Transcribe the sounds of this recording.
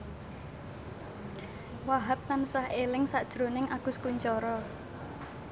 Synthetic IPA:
waɦap̚t̪ansahelɪŋsaʔd̥ʒ̥ɾo̤nɪŋʔaɡ̥ʊskuɲt͡ʃɔɾɔ

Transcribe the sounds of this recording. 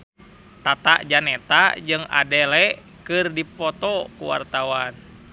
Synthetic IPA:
t̪at̪a̰ʔd͡ʒanɛt̪ad͡ʒɨŋa̰dɛlɛ | kɨrdipɔt̪ɔkṵwa̰rt̪awan

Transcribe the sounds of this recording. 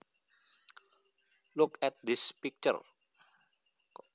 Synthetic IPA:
lʊkɛt̪̚d̪ɪspik̚t͡ʃə̰ɾ

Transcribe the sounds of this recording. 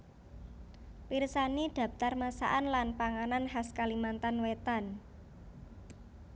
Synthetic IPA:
pirsanid̪̥ä̤p̚t̪armasa̰ʔanlanpaŋananɦaskalimant̪anwet̪an

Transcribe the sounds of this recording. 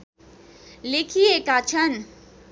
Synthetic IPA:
lekʰijekat͡ʃʰən

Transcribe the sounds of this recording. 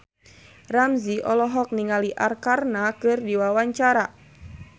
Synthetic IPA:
ramziʔɔlɔɦɔk̚niŋaliʔarkarnakɨrdiwawaɲt͡ʃaɾa

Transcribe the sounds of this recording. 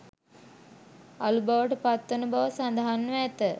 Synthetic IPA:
alubaʋəʈəpat̪ːənubaʋəsand̪aɦanːʋæt̪ə

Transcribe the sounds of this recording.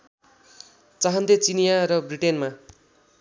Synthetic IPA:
t͡saɦʌnd̪et͡sinjaɾʌbriʈenma

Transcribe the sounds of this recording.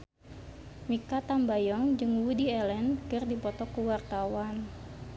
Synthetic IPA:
mikat̪ambajɔŋd͡ʒɨŋwudiɛlɛnkɨrdipɔt̪ɔkuwart̪awan

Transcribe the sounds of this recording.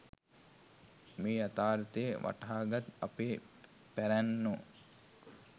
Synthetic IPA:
meːat̪aːɾt̪əjeʋa̰ʈaːɡat̪apeː | pæɾænːo

